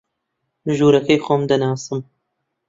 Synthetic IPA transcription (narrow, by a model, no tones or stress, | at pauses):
ʒuːɾɐkɛjxomd̪ɐnɑːsɨm